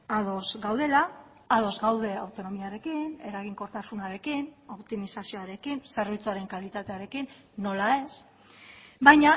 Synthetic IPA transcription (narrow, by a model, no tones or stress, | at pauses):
að̞o̞zɡawðe̞laː | ðo̞zɡawð̞e̞awt̪o̞no̞miaɾe̞kine̞ɾaɣ̞iŋko̞ɾt̪asunaɾe̞kino̞pt̪imisasio̞aɾe̞kinse̞ɾβ̞it͡suaɾe̞ŋkalit̪at̪e̞aɾe̞kinː | o̞lae̞s | bajɲa